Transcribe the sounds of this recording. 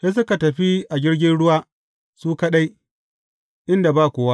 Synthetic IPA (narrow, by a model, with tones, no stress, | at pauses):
seː˦s̬ʊ˦ka˨tɐ˨ɸi˦ʔa˨d͡ʒʲɪ˦ɽɡʲɪ˦nɽʊ˦waː˦ | suː˦kɐ˦ɗa˦j | ʔɪ˦nda˨ba˦˨kʷoː˨˦wa˦ʔ